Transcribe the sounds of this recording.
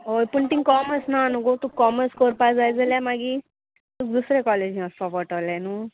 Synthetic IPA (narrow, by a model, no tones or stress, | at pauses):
ɦojpuɳʈ̪ĩŋkɔməsnanuɡot̪ukːɔməskoɾpad͡zajd͡zəljamaɡi | t̪uk̚d̪usɾekɔled͡ʑʱĩaspapəʈəlanu